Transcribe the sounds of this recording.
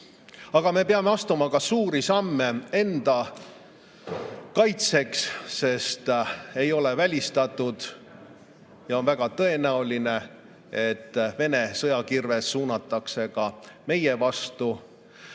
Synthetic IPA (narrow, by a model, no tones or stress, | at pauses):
ɑɡ̥ɑme̞peɑme̞ɑst̪umɑkɑsuːɾisɑmːe̞e̞nd̪̥ɑ | kɑjt̪se̞ksːe̞st̪e̞jo̞le̞vælʲist̪ɑt̪ːˑud̪̥ | jɑonvæɡ̥ɑt̪ɤ̞e̞næuline̞ | e̞t̪ːve̞ne̞sɤjɑkirve̞sːuːnɑt̪ːˑɑkse̞kɑme̞jevɑst̪u